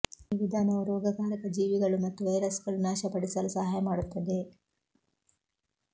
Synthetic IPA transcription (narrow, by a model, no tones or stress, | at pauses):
iʋid̪ʱaːnɐuɾɔːɡɐɡaːɾɐkɐd͡ʒiːʋiɡɐɭumɐt̪ːuʋɐjɾɐsɡɐɭunaːʃɐpɐɽisɐlusɐɦaːjɐmaːɽut̪ːɐd̪e̞